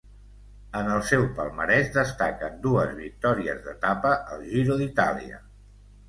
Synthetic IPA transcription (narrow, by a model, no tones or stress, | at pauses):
ənəlˠsɛwpəlˠməɾɛʒd̪əst̪akənd̪uəzβik̚t̪ɔɾiəzðət̪apəʔəlˠʒiɾuðit̪a̰lḭə̰